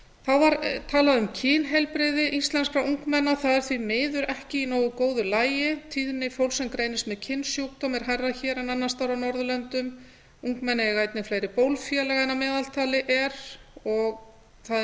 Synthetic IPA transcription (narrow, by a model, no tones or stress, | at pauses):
θaðvaɾt̪ʰaːlaðʏmcʰɪːnɦɛlpɾɪðɪʔist̪lɛnskɾaʔuŋkmɛnːaθaðɛɾ̥θvimɪːðʏɾɛhcɪinoːwɣʏkoːwðʏlaːjɪt̪ʰiːðnɪfowlsɛmkɾejnɪst̪mɛðcʰɪnːsjoːwkt̪ɔmɛɾ̥hajrːaçɛːɾɛnanːast̪aɾawnɔɾðʏlœnt̪ʏm | uŋkmɛnːaɛɾɣaːjt̪nɪflajɾɪpowlfjɛlɛɣaɛnːamɛːðal̥t̪ʰaːlɪʔɛɾ̥ɔɣ | θað